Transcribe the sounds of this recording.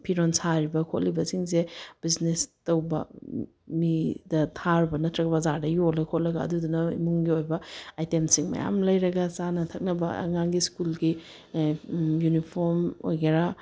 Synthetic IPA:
pʰiɾonsaɾibɐkʰot̚libɐsiŋzeb̥iznestɐwbɐ̰ | midɐtʰaɾbɐnɐtɾɐkbɐzadɐjolɐkʰot̚lɐɡɐ̰ːdudunɐḭmuŋɡiojbɐajtemsiŋmɐ̰ja̰mlɐjɾɐɡɐsanɐtʰɐk̚nɐbɐɐ̰ŋaŋɡiskulɡi | junipʰoɾmo̰jɡɐɾa

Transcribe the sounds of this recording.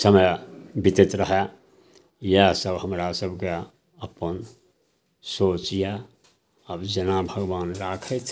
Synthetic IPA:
səməjbit̪et̪ɾəɦɛ | jasəbɦəmɾasəbke | əpən | sot͡ʃija | əbd͡ʒənabʱəɡwaːnɾakʰət̪

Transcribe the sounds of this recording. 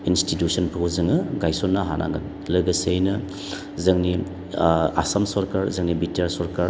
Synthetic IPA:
institjusɐnpʰɐwzɯŋɯɡajsɔnːɐɦa̰nʔa̰ŋɡɐ̰ | lɐɡɐsejnɐ | zɐŋni | a̰sɐmsɔɾkaɾzɐŋnibitiaɾsɔɾkaɾ

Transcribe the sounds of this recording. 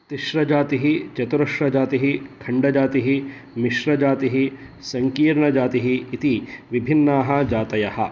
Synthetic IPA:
t̪iʃɾɐd͡ʒaːt̪iɦit͡ʃɐt̪uɾɐʃɾɐd͡ʒaːt̪iɦikʰɐɳɖɐd͡ʒaːt̪iɦi | miʃɾɐd͡ʒaːt̪iɦi | sɐŋkiːɾɳɐd͡ʒaːt̪iɦiːt̪iʋibʱinːaːɦɐ̆d͡ʒaːt̪ɐjɐhɐ̰̆

